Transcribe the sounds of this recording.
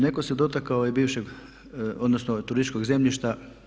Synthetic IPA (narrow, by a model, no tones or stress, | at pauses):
nekosed̪ot̪akaoibiːʋʃeɡ | od̪nosnot̪uɾist̪it͡ʃkoɡzemʎiʃt̪a